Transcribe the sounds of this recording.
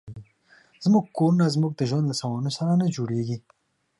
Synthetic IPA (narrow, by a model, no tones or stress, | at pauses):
z̥muɡ̚koɾunazmuɡ̚d̪əʒwand̪ləsawɑnosaɾanad͡ʒoɽeɡi